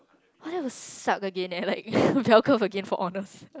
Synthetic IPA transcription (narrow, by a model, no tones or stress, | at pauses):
ɔdɛvəsakəɡẽnɛ̃laɪk̚bɛlkɔfəɡẽnfɔʔɔnəs